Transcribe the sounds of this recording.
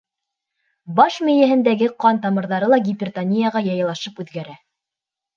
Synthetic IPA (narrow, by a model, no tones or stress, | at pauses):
bɑʃmɘ̆jæɦɘ̆nd̪æɡɘqɑnt̪ɑmɤ̆ɾðɑɾɤlˠɑɡʲipʲɪrt̪anʲijaʁɑjɑjɑ̆lˠɑʃɤpʉðɡæɾæ